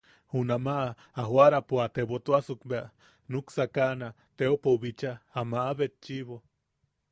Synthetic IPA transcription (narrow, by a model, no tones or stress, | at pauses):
hunamaʔː | ɦwaɾapuat̪eβot̪uasukbea | nuksakana | t̪eopoβit͡ʃaːmaʔːβet̪̚t͡ʃiβo